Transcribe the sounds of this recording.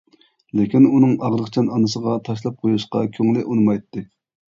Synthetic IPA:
lɪkʲinunɨŋɑʁɾəqt͡ʃʰɑnɑnɨsəʁɑt̪ʰɑʃlˠɑp̚qʰojuʃqɑ̰kʲʰøŋlɪʔunɨmɑjt̪ːɨ

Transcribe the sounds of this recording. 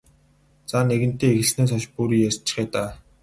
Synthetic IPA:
t͡saneɣɘ̆n̥t̪eːeɣɘ̆ɮsneːs̬ɔʃpuɾiːjast͡ɕɪ̥̆χiːt̪aː

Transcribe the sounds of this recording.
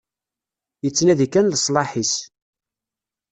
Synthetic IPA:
jət͡sːnæðikːænləsˤlɑħis

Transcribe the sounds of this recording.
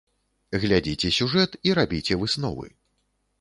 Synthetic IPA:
ɣlʲad͡zʲit͡sʲɛsʲuʐɛt̪iɾabʲit͡sʲɛvɨsnɔvɨ̰

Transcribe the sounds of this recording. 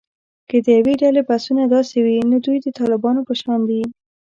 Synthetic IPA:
kəd̪əjaweɖalebasunad̪ɑsewinod̪ujd̪ət̪ɑlɪbɑnopəʃɑnd̪i

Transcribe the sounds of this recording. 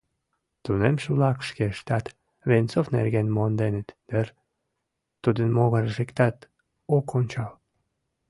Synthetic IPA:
t̪unemʃulɑkʃkeʃt̪ɑt̪ | βent͡sofnḛrɣenmond̪enə̆t̪d̪̥ər | t̪ud̪ənmoɣərʒekt̪ɑt̪ | okonʲt͡ɕɑl

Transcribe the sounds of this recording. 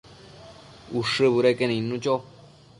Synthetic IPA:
uʂɨβuɾekenĩnũt͡ʃo

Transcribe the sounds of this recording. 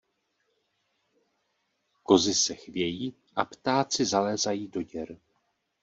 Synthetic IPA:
ko̞zɪsɛxvjɛjiː | ʔa̰pt̪aːt͡sɪzalɛːzajiːdo̞ɟɛɾ

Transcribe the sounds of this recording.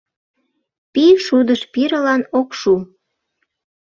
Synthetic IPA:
piʃud̪əʃpiɾəlɑnokʃu

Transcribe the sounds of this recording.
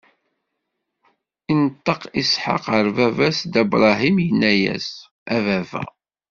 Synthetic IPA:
inət̪ˤːɑqisħɑ̰qəɾvævæsd̪æbɾˤɑɦimjənːæjæ̰s | ævævæ̰

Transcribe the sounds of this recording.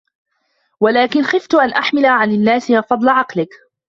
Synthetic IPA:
walaːkɪnxɪft̪ʊʔanʔaħmɪlaʕanɪnːaːsɪhafɑd̪ˤlaʕɑqlɪk

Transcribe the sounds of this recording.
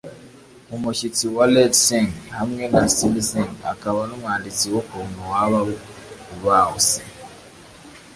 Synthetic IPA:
umucitiwaledseŋhamwenasilizeŋa̰kaβanomwaːndit͡siwokonowaβaβukuβaːose̥

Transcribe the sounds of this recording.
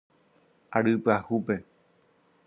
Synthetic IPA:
aɾɨpɨahupe̞

